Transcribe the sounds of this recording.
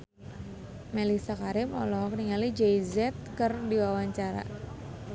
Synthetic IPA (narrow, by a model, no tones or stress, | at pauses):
melisakaɾɪmɔlɔɦɔkəniŋalid͡ʒɛizɛt̪̚kərdiwawaɲt͡ʃaɾa̰